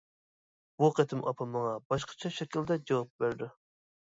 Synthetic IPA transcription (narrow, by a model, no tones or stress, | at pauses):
buqʰɛt̪ʰɪmʔɑpʰɑmɑŋɑbɑʃqʰɑ̥t͡ʃʰɑʃɛkʲild̪ɛd͡ʒɑwɑp̚bæɾd̪u